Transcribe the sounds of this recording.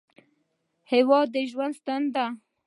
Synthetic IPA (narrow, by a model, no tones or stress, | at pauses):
hewɑd̪ːəʒwand̪st̪and̪d̪a